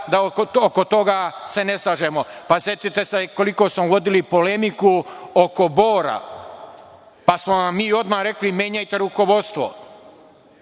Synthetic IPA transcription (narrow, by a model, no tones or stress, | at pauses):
d̪aooko̞t̪o̞ɡase̞ne̞slˠaʒemo̞pasje̞t̪it̪eseko̞liko̞ːsmoʋo̞d̪ilipo̞le̞mikuoko̞bo̞ːɾa̰ | pasmoʋamːiːo̞d̪maːɾe̞klime̞ːɲajt̪e̞ɾuko̞ʋo̞d̪st̪ʋo̰